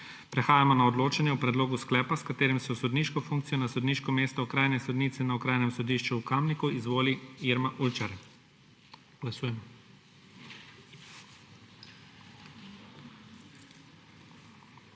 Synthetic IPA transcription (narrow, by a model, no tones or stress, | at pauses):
pɾɛxaːjamɔnaɔd̪loːt͡ʃanjɛupɾɛd̪loːɡusklɛːpaskat̪eːɾimsɛsɔd̪niːʃkɔfuŋk̚t̪sijɔnasɔd̪niʃkɔmeːst̪ɔɔkɾaːjnɛsɔd̪niːt̪sɛnaɔkɾaːjnɛmsɔd̪iːʃt͡ʃuːkamnikuizʋoːliiɾmaʔult͡ʃaɾ | ɡ̥lasuːjɛmɔ